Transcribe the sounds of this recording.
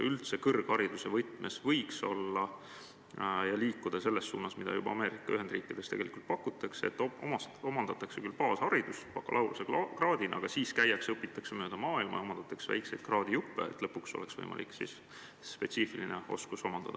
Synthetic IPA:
ylt̪se̞kɤrɡ̥hɑɾid̪̥usevɤt̪ːˑmʔesvɤjkso̞̰lːɑ | jɑliːkːˑud̪̥ɑse̞lːe̞sːṵːnɑsmid̪ɑ̰jubɑɑme̞ːɾikːˑɑyhɦe̞nd̪riːkːˑid̪̥e̞st̪e̞ɡe̞lʔikult̪̚pɑkːˑut̪ːˑɑkseet̪ːˑʔomɑst̪omɑnd̪ɑt̪ːˑɑksekylpɑːshɑɾid̪̥uspɑkːˑɑlʔɑwɾusekrɑːd̪inʔɑ̰ɡ̥ɑsiːskæjɑksɤpːˑit̪ːˑɑksemø̞ːd̪̥ɑmɑːilmɑ̰jɑomɑnd̪̥ɑt̪ːˑɑksevæ̰jkse̞jd̪̥̚krɑːd̪ijupːḛḛt̪ːˑlɤpːukso̞̰le̞̰ksvɤ̰jmʔɑ̰lḭkːsḭs | spe̞t̪siːfilineo̞̰skuso̞mɑnd̪ɑd̪ɑ

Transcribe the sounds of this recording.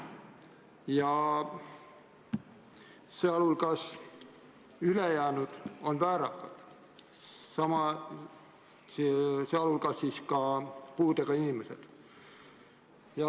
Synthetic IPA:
jɑ | seɑlulkɑs | ylejæːnud̪̥o̞nvæːɾɑkːɑ̰d̪̥ | sɑmɑ | seɑlulkɑsːiːskɑpuːd̪̥e̞ɡ̥ɑinimesed̪̥ | jɑ

